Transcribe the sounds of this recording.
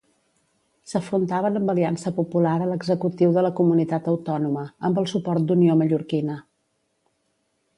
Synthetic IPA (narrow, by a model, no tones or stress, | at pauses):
səfɾunt̪aβənəmbəliansəpupulaɾələɡzəkut̪iwðələkumunit̪at̪əwt̪ɔnuməəmbəlˠsupɔɾt̪̚d̪unioməʎuɾkinə